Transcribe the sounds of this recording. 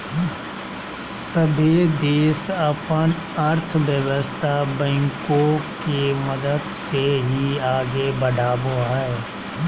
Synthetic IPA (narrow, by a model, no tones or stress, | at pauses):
səbʱid̪eːsəpən | əɾt̪ʰʋjəʋəst̪ʰabɛ̃ːŋkõkemɐd̪əd̪seɦiaːɡebəɖʱaːboaɛː